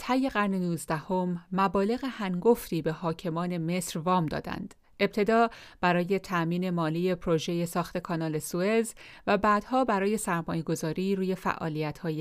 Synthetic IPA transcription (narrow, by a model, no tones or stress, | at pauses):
t̪ʰæjːe̞ɣæɾnenuːzd̪æho̞mːæbɒːle̞ɣehæŋɡo̞ft̪iːbe̞hɒːcʰe̞mɒːne̞me̞ːsɾvɒːmd̪ɒ̰ːd̪æ̰nd̪̥ | ʔe̞b̥̚t̪ʰe̞d̪ɒːb̥æɾɒːje̞t̪ʰæʔmiːne̞mɒːliːje̞pʰɾo̞ʒe̞je̞sɒːxt̪e̞kʰɒːnɒːle̞sue̞zvæbæːd̪̥hɒːbæɾɒːje̞sæɾmɒːje̞ɡo̞zɒːɾiːɾuːje̞fæ̰ʔɒ̰ːliæt̪hɒːje